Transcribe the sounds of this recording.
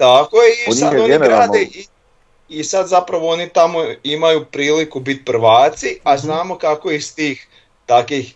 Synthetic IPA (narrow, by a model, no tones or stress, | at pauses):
t̪akojeisad̪oniɡɾaːd̪ei | isad̪zapɾaʋoonit̪amoimajupɾiːlikubit̪̚pr̩ʋaːt̪siaznaːmo̞kakoist̪iːx | t̪akʋix